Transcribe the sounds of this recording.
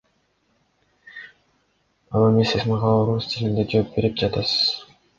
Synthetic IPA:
ɑlˠemisesmɑʁɑoɾust̪ʰʲilʲind̪ed͡ʒoːp̚be̞ɾip̚d͡ʒɑt̪ɑsɯ̥z̥

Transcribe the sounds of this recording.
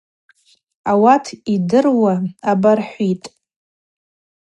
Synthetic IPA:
awatʰidɨrwaabarħʷitʼ

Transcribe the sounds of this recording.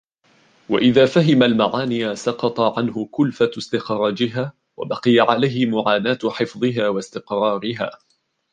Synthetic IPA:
wa̰ʔɪðaːfaɦɪmalmaʕaːnɪjasɑqɑt̪ˤɑʕanɦʊkʊlfast̪ɪxɾˤɑːd͡ʒɪɦaː | wa̰bɑqɨjaʕalajhɪmʊʕaːnaːt̪ħɪfðˤɨɦaːwast̪ɪqɾˤɑːɾɪɦa̰ː

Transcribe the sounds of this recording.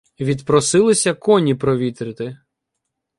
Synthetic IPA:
ʋʲid̪pɾɔsɪlˠɪsʲɐkɔnʲipɾɔʋʲit̪ɾɪt̪ɪ

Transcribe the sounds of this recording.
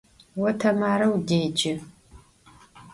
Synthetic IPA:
wɐtʰɐmaːɾɐwdeːd͡ʒɪ

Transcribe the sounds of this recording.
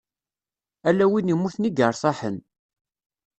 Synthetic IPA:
ælːæwinimːuθniɡəɾˤsˤɑħə̰n

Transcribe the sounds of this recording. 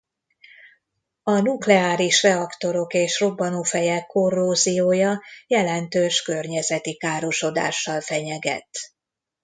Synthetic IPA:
ɒnuklɛaːɾiʃrɛɒkt̪o̞ɾo̞keːʃro̞bːɒnufɛjɛkːo̞rːoːzioːjɒjɛlɛnt̪øːʃkø̞rɲɛzɛt̪ikaːɾo̞ʃo̞d̪a̰ːʃːɒlfɛɲɛɡɛ̰t̪

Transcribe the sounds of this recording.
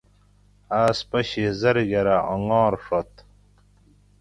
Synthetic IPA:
aːspɐɕizɐɾɡɐɾaʔoŋɔ̃ːɾʂot̪

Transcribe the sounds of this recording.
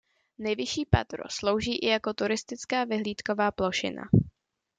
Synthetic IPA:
nɛjvɪʃiːpa̰t̪ɾo̰slo̞wʒiːʔɪjako̞t̪uɾɪst̪ɪt͡skaːvɪɦliːt̪ko̞vaːplo̞ʃɪ̰na̰

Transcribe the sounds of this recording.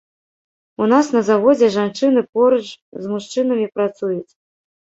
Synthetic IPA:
unasnɐzavɔd͡zʲɛʐant͡ʂɨnɨpɔɾɐt͡ʂzmuʂt͡ʂɨnɐmʲipɾat̪sujut͡sʲ

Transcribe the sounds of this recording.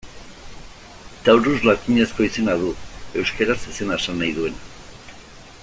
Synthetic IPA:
t̪awɾuzlakiɲe̞sko̞ise̞naðue̞wskeɾasese̞naesanːajðue̞na

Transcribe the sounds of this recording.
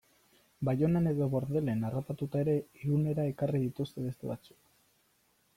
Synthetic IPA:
bajo̞nene̞ðo̞βo̞ɾðe̞le̞narap̪at̪ut̪ae̞ɾe̞ɣune̞ɾae̞karið̞it̪ust̪e̞βe̞st̪ḛβa̰t͡su̥k

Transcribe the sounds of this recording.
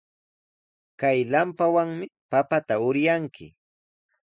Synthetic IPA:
kajlampawaŋmɪpapat̪aʊɾjaŋkʰɪ̰

